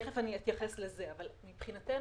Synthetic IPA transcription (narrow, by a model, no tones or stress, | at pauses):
χefaniit̪jaχesleze̞avalmipχinat̪en